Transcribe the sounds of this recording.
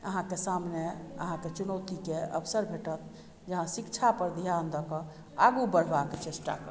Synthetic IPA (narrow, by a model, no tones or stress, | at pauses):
əɦãkesamneəɦãket͡ʃunət̪ikeə̰bsəɾbʱeʈət̪ | d͡ʒəɦãsikt͡ʃʰapəɾd̪ʱjand̪əkə | aɡubəɽ̤baket͡ʃesʈa̰kə